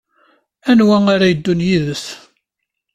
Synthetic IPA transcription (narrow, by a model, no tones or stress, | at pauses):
ænwæaɾajəd̪ːunjiðəs